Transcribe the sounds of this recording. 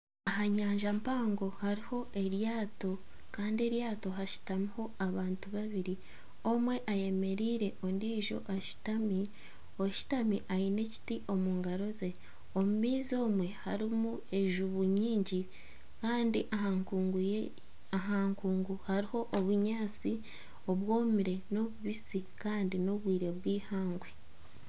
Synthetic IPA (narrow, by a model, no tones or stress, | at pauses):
aɦaɲaːɲʒampaːŋɡo̞haɾiho̞ʔe̞ɾjaːto̞ | kaːndie̞ɾjaːto̞ɦaʃu̥tamiho̞aβaːntuβaβiɾi | o̞mwe̞ʔaje̞me̞ɾiɾe̞ʔondiːʒo̞̰ʔaʃu̥tami | o̞ʃu̥tamiʔaine̞ci̥tiʔo̞muːŋɡaɾo̞ze̞ | omumiːzo̞ːmwe̞haɾimu | e̞ʒuβuɲiːɲɟi | kaːndiʔaɦaŋkuːŋɡuj | aɦaːŋkuːŋɡuhaɾiho̞ʔːβuɲaːt͡si | o̞βwo̞ːmiɾe̞no̞βuβisikaːndino̞βwiːɾe̞βwiːhaːŋɡwe̞